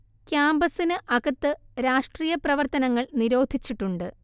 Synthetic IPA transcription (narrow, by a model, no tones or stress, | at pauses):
kjaːmbɐsinɨʔɐɡɐt̪ːɨɾaːʂʈriːjɐprɐʋɐrt̪ɐnɐŋːɐɭniɾo̞ːd̪ʱit͡ɕːiʈːuɳɖɨ